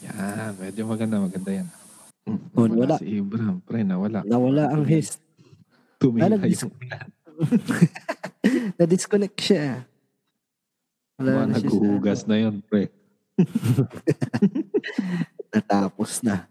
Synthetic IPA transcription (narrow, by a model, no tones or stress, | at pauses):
janmɛd͡ʒomɐɡɐnd̪amɐɡɐnd̪ajana | onɐwɐlaʔsɪʔibɾampɾɛnɐwɐlaʔnɐwɐlaʔɐŋɦɛst̪̚ | t̪ʊmianɐɡ̪smlah | nɐd̪ɪskonɛk̚ʃa | wɐlaannɐɡhuhuːɡɐsnɐjonpɾɛ | nɐt̪aːposnɐ